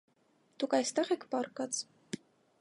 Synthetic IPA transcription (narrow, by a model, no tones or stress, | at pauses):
d̪̥ukɑjst̪ɛʁɛkʰpɑɾkɑt͡s